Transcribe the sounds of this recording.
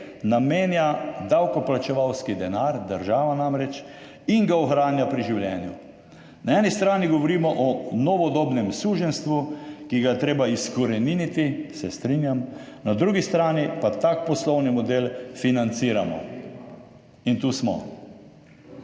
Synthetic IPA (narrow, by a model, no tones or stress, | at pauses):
nameːnjad̪awkɔplat͡ʃɛʋawskid̪ɛnaɾd̪əɾʒaːʋanamɾɛt͡ʃ | iŋɡaɔxɾaːnjapɾiʒiwlʲjɛːnju | naɛːnist̪ɾaːniɡɔʋɔɾiːmɔʔɔnɔʋɔd̪oːbnɛmsuːʒɛnst̪ʋukiɡajɛt̪ɾeːbaiskɔɾɛninit̪isɛst̪ɾiːnjam | nad̪ɾuːɡist̪ɾaːnipat̪aːk̚pɔslɔwnimɔd̪eːlfinant̪siːɾamɔ̰ | int̪usmɔ̰